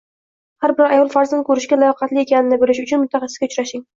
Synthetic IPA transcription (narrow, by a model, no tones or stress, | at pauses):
haɾbɪɾajɒlˠfaɾzankʰɵɾɪʃɡʲalajɒqʰɑt̪lɪjekʲanɪnɪbolɪʃʊt͡ʃʰʊnmʊt̪ʰːaχɑsɪ̥sɡʲaʊt͡ʃɾaʃɪŋ